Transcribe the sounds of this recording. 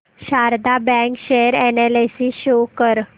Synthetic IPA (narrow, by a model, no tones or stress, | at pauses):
ɕaɾd̪abɛ̃kɕeɾɛnelesiɕokəɾ